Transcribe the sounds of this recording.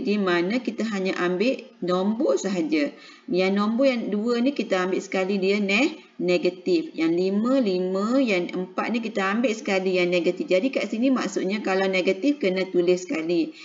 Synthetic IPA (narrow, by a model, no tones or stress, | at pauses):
dimanãkit̪aɦaɲaʔambɪʔnombosəɦad͡ʒa | jaŋnomboʔjaŋduənikit̪aambɪʔsə̥kalidiənɛh | neɡat̪ifjaŋliməlimə̃jaŋə̰mpat̪̚nik̬it̪aambɪʔsə̥kalijaŋneɡat̪ifd͡ʒadikaʔsinimaʔsʊʔ̪̚ɲakalawneɡat̪ifkənat̪ulɪsə̥kali